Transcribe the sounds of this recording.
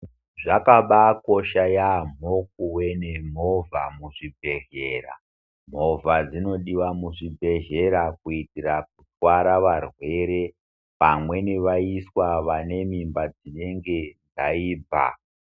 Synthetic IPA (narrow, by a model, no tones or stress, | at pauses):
ʐakaɓako̞ʃajam̤ok̚uwe̞ne̞m̤o̞vʱamuʐibʱe̞ʒe̞ːra̰ | m̤o̞vad͡zino̞ɗiwamuʐibʱe̞ʒe̞ɾakuitirak̚utwaɾaʋarwe̞ɾe̞ | pamwe̞neʋaiswaʋane̞mimbad͡zine̞ŋɡe̞nd͡zaiːb͡vʱa̰